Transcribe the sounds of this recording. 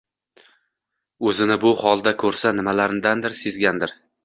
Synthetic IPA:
ɵzɪnɪbʊhɒlˠd̪akʲʰɵɾsanɪmalaɾɪmd̪and̪ɪɾse̞zɡʲand̪ɪɾ

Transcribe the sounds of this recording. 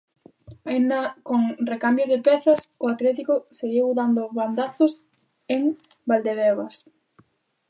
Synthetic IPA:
aind̪ɐkoŋrekambjʊðɪpɛθɐsʊat̪lɛt̪ikʊseɣiwðand̪ʊβand̪aθʊs | eŋ | bald̪eβɛβas

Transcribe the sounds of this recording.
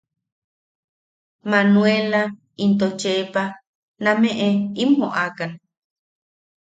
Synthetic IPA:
manwela | int̪ot͡ʃepa | namẽʔeimhoʔakan

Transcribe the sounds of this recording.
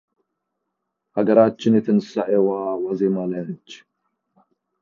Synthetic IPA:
haɡɐɾat͡ʃːɪnjɛt̪ʰɨnɨsaʔewawazemalant͡ʃː

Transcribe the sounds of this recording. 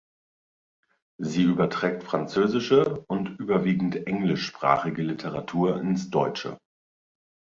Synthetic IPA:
ziːyːbɐtʁ̥ɛːk̚tfʁ̥ant͡søːzɪʃəʊntʔyːbɐviːɡŋ̩tʔɛŋlɪʃpʁ̥a̰ːχɪɡəlɪtʰəʁatʰuːɐʔɪnsd̥ɔʏt͡ʃə̰

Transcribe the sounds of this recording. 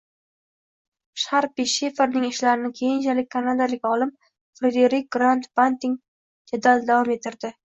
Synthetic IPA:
ʃaɾpiʃe̞feɾnɪŋɪʃlaɾɪnɪkʲʰejɪnt͡ʃʰalɪk̚ʲkʰːanad̪alɪkʲɒlɪm | fɾed̪eɾɪk̚ʲɡɾant̪bant̪ɪŋ | d͡ʒad̪ald̪avɒme̞t̪ʰɪɾd̪ɪ

